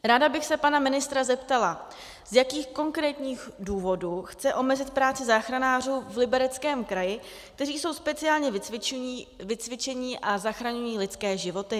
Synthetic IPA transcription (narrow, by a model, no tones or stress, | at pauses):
ɾaːdabɪxsɛpanamɪnɪst̪ɾazɛpt̪ala | z̥jakiːxko̞ŋkɾɛːt̪ɲiːxduːvo̞duːxt͡sɛʔo̞mɛzɪt̪̚pɾaːt͡sɪzaːxɾanaːr̝uːvlɪbɛɾɛt͡skɛːmkɾajɪ | k̚t̪ɛriːso̞wspɛt͡sɪaːlɲɛv | vɪt͡svɪt͡ʃɛɲɪʔazaxɾaɲujiːlɪt͡skɛːʒɪvo̞t̪ɪ